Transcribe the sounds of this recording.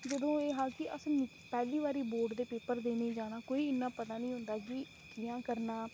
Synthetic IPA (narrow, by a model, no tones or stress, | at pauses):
d͡ʒəd̪õːeːɦãːkɪʔəsnɪ | pɛːliːβaːɾiːboːɾɖd̪eːpeːpəɾd̪eːnẽːd͡ʒaːɽ̃aːkoːiːɪnːãːpət̪aːnĩːɦʊnd̪aːki | kɪjãːkəɾnaː